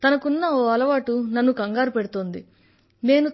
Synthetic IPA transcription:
t̪ɐnɐkunːɐoːɐlɐʋaːʈunɐnːukɐŋɡaːɾupeɽut̪oːnd̪ḭ | ne̞ːnu

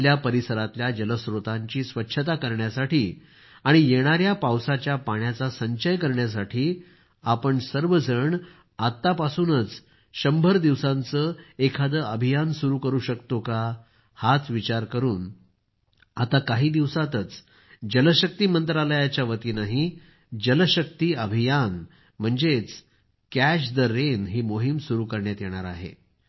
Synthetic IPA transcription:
ljapəɾisəɾat̪ljad͡ʑələsɾot̪aɲt͡ɕiːsʋətːɕʰət̪akəɾɳjasaʈiː | aɽ̃ijeɽ̃aɾjapawsat͡ɕjapaɳjat͡sasəɲɕəjkəɾɳjas̬aʈʰiː | apəɳsəɾʋəd͡zʱəɳ | at̪ːapasuːnət͡s | ɕəmbʱəɾd̪iʋsant͡səekʰad̪əəbʱijansuɾuːkəɾuːɕəkt̪oka | hat͡s̪ʰʋit͡ɕaɾkəɾuːn | at̪akaɦiːd̪iʋsat̪ət͡s | d͡ʑələɕək̚t̪iːmənt̪ɾaləjat͡ɕjaʋət̪iːnaɦi | d͡ʑələɕək̚t̪iːəbʱijan | m̤əɳd͡zet͡s | kæɕ̬d̪əɾenɦiːmoɦimsuɾuːkəɾɳjat̪jeɽ̃aɾa̰ɦḛ

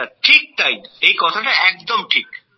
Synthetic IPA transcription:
aʈʰik̚t̪ajejkɔt̪ʰaʈaɛk̚d̪omʈʰik

